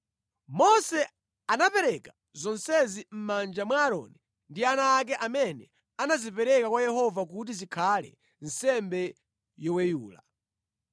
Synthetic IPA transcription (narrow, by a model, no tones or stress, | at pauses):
mɔsɛ | anapɛɾɛka | zɔnsɛzim̩mand͡ʒamwaːɾɔ̰ni | ndianaːk̬ɛʔamɛnɛ | anazipɛɾɛkakwajɛhɔvakut̬izikʰalɛ̰ | n̩sɛmbɛ | jɔwɛjuːla